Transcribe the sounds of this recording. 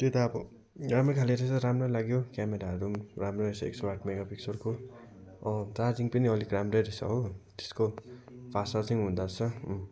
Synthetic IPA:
t̪et̪aːbʌ | ɾamʌkʰaleɾesʌɾamrʌlaɡjokjameɾaʌɾuramrʌɾesʌḛksoaʈʰmeɡapiksʌɾko | ʌ̃t͡sard͡ziŋpʌniʌlikramreɾesʌ̰ɦot̪e̥skopʰasat͡sʌjɦund̪at͡sʰʌ

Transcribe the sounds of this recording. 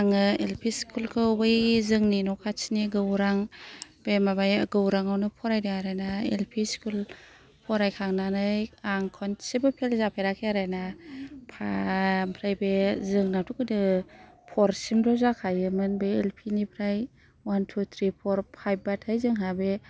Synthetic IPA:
aŋɯelpʰiskʰulkʰɯwbɯjzɯŋninɔkʰat͡ʃʰiniɡɯwɾaŋb̥emabajɡɯwɾaŋawnɯpʰɔɾajdɯŋaɾajnaḛlpʰiskʰul | pʰɔɾajkʰaŋnanɯjaŋkʰɔnsebɯpʰelzapʰajɾakʰeaɾajnapʰampʰɾajbezɯŋnatʰukɯdɯpʰɔɾsimɾɔzakʰajɯmɯnbejelpʰinipʰɾaj | wantʰut̪ʰɾipʰɔɾpʰajp̚batʰajzɯŋɦabe

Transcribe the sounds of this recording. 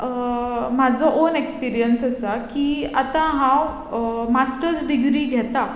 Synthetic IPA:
mad͡zʱɔʔonekspiɾijənsəsakiːat̪ãɦãw | masʈəɾsɖiɡɾiːɡʱɛt̪a

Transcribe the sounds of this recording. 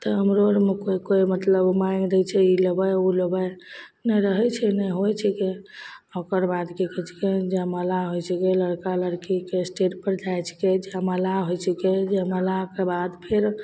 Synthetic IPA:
t̪əəmɾoɾmekoikojmət̪ləbmaiŋɡd̪ɛjt͡ʃʰɛiləbəjuləbəj | nɛɾəɦɛt͡ʃʰɛnɛɦojt͡ʃʰike | okəɾbad̪kekɛt͡ʃʰked͡ʒaməlaɦojt͡ʃʰikeləɽkaləɾkikesʈeʈpəɾd͡ʒajt͡ʃʰked͡ʒaməlaɦojt͡ʃʰiked͡ʒeməlakebad̪pʰeɾ

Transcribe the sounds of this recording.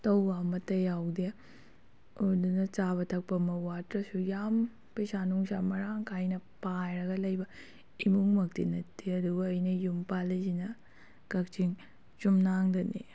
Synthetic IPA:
t̪ɐwːamɐt̪ɐjawd̪ijɐ | odunɐt͡ʃaːbɐt̪ʰɐk̚pɐmɐwaːtɾɐsujaːm | pesaːnuŋsamɐɾaːŋkajnɐpaːjɾɐɡɐlɐjbɐ | imuŋmɐk̚t̪ḭnɐt̪ːiɐd̪uwɐjnɐjumpaːlɐd͡ʒinɐ | kɐkt͡ʃiŋ | t͡ʃumnaːŋd̪ɐnḭ

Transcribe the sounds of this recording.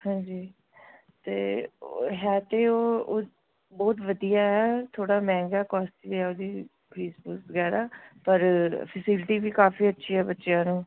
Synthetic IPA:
hãːɲd͡ʒiː | t̪eːoɦɛːt̪eːoːoː | bɔːt̪ʋəd̪ijaːɦɛːt̪ʰoːɽaːmɛ̃ːŋɡaːkɔːsʈʋiɛːoːd̪iː | kʰɾiːspuːsʋəɡɛːɾaːpəɾpʰəsɪːlʈiːʋiːkaːfiːətːʃʰiːɦɛːbətːʃejãːnũː

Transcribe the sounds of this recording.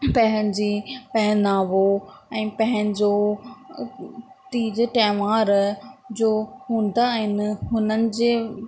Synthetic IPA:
pɐ̃ɦəñɪ̆d͡ʑiːpɛɦɪnaːʋoɛ̃ːpɐ̃ɦɪ̃nɪd͡ʑo | t̪iːd͡ʑʈɛːʋaːɾd͡ʑoːɦũːn̆d̪aɦɪnɪ̆ɦʊnənɪ̆d͡ʑeː

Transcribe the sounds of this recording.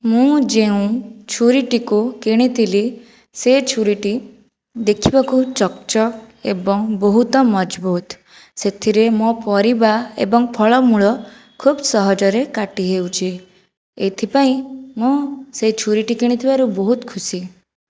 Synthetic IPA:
mũd͡ʒeũt͡ʃʰuɾiʈikukiɽ̃it̪ʰili | set͡ʃʰuɾiʈi | d̪ekʰibakut͡ʃɔkt͡ʃɔkebɔŋbɔɦut̪ɔmɔd͡ʒbut̪ | set̪ʰiɾemõpɔɾibaḛbɔŋpʰɔɭɔmuɭɔ | kʰubsɔɦɔd͡ʒɔɾekaʈiɦewt͡ʃʰi | et̪ʰipaĩmũset͡ʃʰuɾiʈikiɽ̃it̪ʰibaɾubɔɦut̪kʰusi

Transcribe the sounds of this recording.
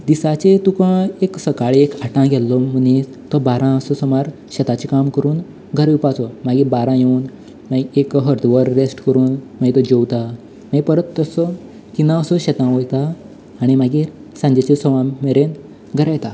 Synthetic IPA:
d̪isat͡ɕet̪ukãeksəkaɭeekaʈãɡʱɛlːɔməni | t̪ɔbaɾãəsɔsəmaɾ | ɕɛt̪at͡ɕikamkəɾuːn | ɡʱəɾʋipat͡sɔmaɡiːbaɾãjeuːn | maɡiekɦəɾd̪ʋəɾːesʈkəɾuːnmaɡit̪ɔd͡ʑewt̪a | maɡipəɾət̪ːəsɔ | k̪inãəsɔɕɛt̪ãʋojt̪aː | ɽ̃imaɡiː | sãɲd͡ʑet͡ɕesɔʋãmeɾen | ɡʱəɾajt̪a

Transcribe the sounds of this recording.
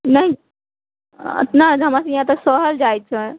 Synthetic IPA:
nəɦĩ | ə̰t̪naɦəmasə̃jɦãt̪əsɔɦəld͡ʒajt̪t͡ʃʰɛ

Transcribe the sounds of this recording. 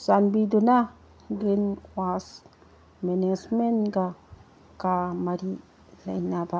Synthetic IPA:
sanbid̪una | ɡenwas | menesmenɡa | kamaɾi | lajnaba

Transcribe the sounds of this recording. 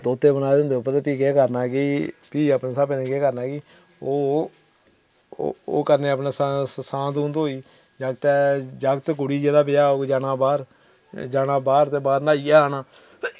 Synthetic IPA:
t̪oːt̪eːbənaːʊ̃nd̪eːʊpːəɾt̪epiːkeːkəɾnaːɡiːpiːəpneːsaːbeːnẽːkeːkəɾnaːɡiː | oː | o̰ːkəɾneːəpnaːsasãːt̪ːnd̪ɦoːiː | d͡ʒəɡt̪ɛd͡ʒəɡt̪kʊɽiːd͡ʒeːd̪aːpɪjaːoːd͡ʒaːnãːbaːɾ | d͡ʒaːɽãːbaːɾt̪eːbaːɾnaːiːaːaːnaː

